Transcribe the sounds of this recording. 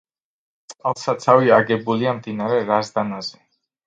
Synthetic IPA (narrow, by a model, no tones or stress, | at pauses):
t̪sʼqʼalˠsat̪sʰaviaɡɛbuliamd̪inaɾɛɾazd̪anazɛ